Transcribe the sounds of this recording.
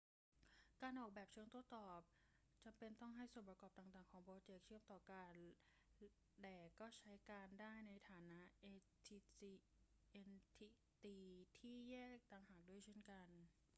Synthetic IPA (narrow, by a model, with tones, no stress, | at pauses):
kaː˧nʔɔː˨˩k̚bɛː˨˩p̚t͡ɕʰɯ˥˩əŋt̪u˧˩ət̪ɔː˨˩p̚ | t͡ɕa˧mpe˧nt̪ɔ˥˩ŋɦa˥˩jsuː˨˩˦mpɾa˧kɔː˨˩p̚t̪aː˨˩ŋt̪aː˨˩ŋkʰɔː˩˦ŋbɔː˧t͡ɕeː˨˩k̚t͡ɕʰɯ˥˩əmt̪ɔː˨˩kaː˧n | lɛː˨˩kɔː˥˩t͡ɕʰa˦˥jkaː˧ndaː˥˩jna˧jt̪ʰaː˩˦na˦˥ʔe˧ | t̪ʰiː˧i˧ | ʔe˧nt̪ʰi˧˥ | t̪iː˧t̪ʰiː˥˩jɛː˥˩k̚t̪aː˧ŋɦaː˨˩k̚du˥˩əjt͡ɕʰe˥˩nka˧n